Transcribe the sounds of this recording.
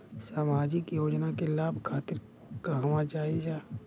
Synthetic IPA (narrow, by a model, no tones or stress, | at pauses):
saːmaːd͡ʒɪkjoːd͡ʒnakelaːbʱkʰaːt̪ɪɾ | kaɦʋãd͡ʒaːid͡ʒaː